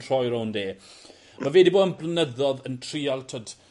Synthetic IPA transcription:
r̥ɔjɾowndeː | mavɛːdiboːdənblˠənəðɔðəntʰriːalˠtʰɔd̥

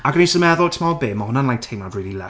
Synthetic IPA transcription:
aɡənisəmɛðʊlˠtʰəmaɔbeːmahʊnanlajtʰejmadriːlˠilɛ

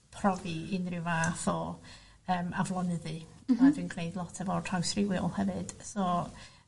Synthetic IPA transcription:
pʰrɔviɪnrɪwvaːθɔ | əːmavlˠɔnɨðɨadwinɡʰnejdlˠɔtʰɛvɔr̥ʰawsrɪwɪɔ̰lˠhɛvɨd̥sɔ

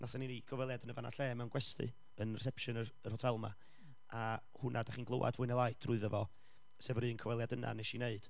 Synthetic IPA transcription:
nʔasaninikʰəvɛlˠjadənəvana̰ɬɛːmɛwnɡwɛstɨ̰ | ənrɛs̬ɛpʃənəərhɔtʰɛlˠma̰ | a | hʊnʔadaχiːnɡlˠowa̰dvʊːɨnəlˠaɨtʰrʊɨðəvɔ | sɛvrɨːənkʰəvɛlˠjadəna̰neʃineɨd̥

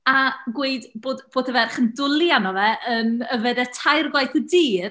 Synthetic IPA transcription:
aɡweɨdboːdb̥oːdəvɛrχəndʊlˠjanɔvɛʔənəvɛdɛtʰajrɡwajθədiːr

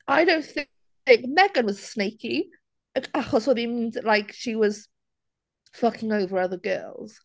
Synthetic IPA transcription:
ʔaɪɾõʊ̃nθɪ | ɪ̃ŋkmɛɡə̃nwɒz̥sneɪki | əkaχɔsɔbimĩnlaɪkʃiwɒz̥ | fʌkɪ̃ŋoʊvəɹʌðəɡɜ̰ːlˠz̥

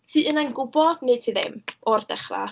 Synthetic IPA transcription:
siːʔənanɡʊbɔne̥tʰiːðɪ̰mɔrdɛχra̰

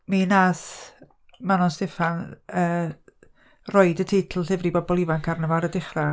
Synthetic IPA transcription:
minas | manɔnsdɪfanəː | rɔɨdətʰejtʰl̩ˠɬɪvribɔbɔlˠivankʰarnəvaɾədɪχra

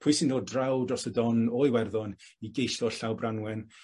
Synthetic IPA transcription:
pʰʊjsɪndoːdrawdɔsədɔnɔjwɛrðɔn | iɡejɬɔɬawbranwɛn

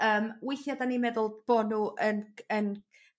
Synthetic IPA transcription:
əːmwɪjθjadanimɛðʊlˠb̥ɔnuʔənən

